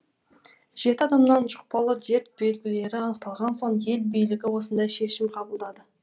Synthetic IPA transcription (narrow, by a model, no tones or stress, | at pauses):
ʒ̥e̞t̪ɪɑd̪ɑmnɑnʒʊq̚pɑlˠəd̪e̞ɾt̪̚be̞lɡʲɪle̞ɾɪɑnəq̚t̪ɑlˠʁɑnso̞ɴje̞lbijlɪɡʲɪwo̞sənd̪ɑjʃe̞ʃɪmqʰɑbəlˠd̪ɑd̪ə